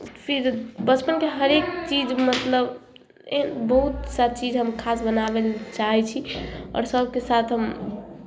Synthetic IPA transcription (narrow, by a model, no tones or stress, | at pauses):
pʰiɾbət͡ʃpənkeɦəɾek̚t͡ʃid͡ʒmət̪ləb | enbəɦut̪saɾt͡ʃid͡ʒʱɦəmkʰasbənabelt͡ʃaɦɛt͡ʃʰiɔ̰ːɾsəbkesat̪ʰɦəm